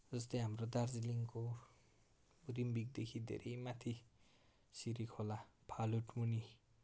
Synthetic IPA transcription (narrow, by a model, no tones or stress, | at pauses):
d͡zʌst̪ʌjɦamrod̪ard͡ziliŋko | rimbik̚d̪ekʰid̪ʱḛɾʌjmat̪ʰi | siɾikʰolapʰaluʈmuni